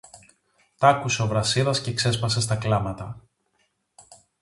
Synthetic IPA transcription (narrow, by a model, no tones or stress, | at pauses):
t̪ɐkuse̞ovɾɐsiðɐsce̞kse̞spɐse̞st̪ɐklɐmɐt̪ɐ